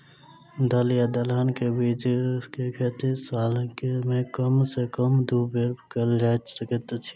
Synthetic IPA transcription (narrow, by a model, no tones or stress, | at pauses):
d̪əljad̪əlɦənkebit͡ʃkekʰet̪isaːlkemẽkəmsekəmd̪ʱubeɾpkəld͡ʒasəkət̪t͡ʃʰi̥